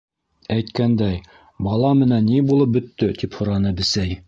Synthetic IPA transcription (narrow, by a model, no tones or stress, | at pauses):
æjt̪kænd̪æj | bɑlˠɑmɘ̆nænːibulˠɤp̚bɵ̆t̪ːɵt̪iphŏɾɑnɤbɘ̆sæj